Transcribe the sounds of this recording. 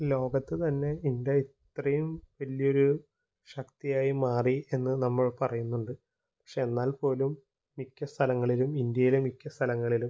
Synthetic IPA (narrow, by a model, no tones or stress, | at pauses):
lo̞ːɡɐt̪ːɨt̪ɐnːe̞ind̪jɐitt̪rɐjumʋɐlijo̞ɾu | ɕɐkt̪ijaːjimaːrie̞nːɨnɐmːɐɭpɐrɐjunːuɳɖɨ | pɐ̥kʂe̞ːenːaːlpo̞ːlumː | ikʲːɐst̪ʰɐlɐŋːɐɭilumind̪jɐjilemikʲːɐst̪ʰɐlɐŋːɐɭilum